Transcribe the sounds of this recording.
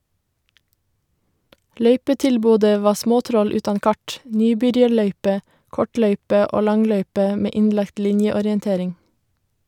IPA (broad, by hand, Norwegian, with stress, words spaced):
ˈlœʏpətɪlˌboːdə ˈʋɑː ˈsmoːˌtɾɔl ˈʉːtɑn ˈkɑʈ ˈnyːˌbʏɾjɑɾˌɭœʏpə ˈkɔˌʈlœʏpə ˈʔoː ˈlɑŋˌlœʏpə ˈmeː ˈɪnlɑkt ˈlɪnjəɔɾjənˌteːɾɪŋ